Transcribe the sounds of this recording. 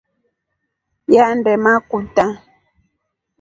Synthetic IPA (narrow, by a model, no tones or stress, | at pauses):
jandɛmakuta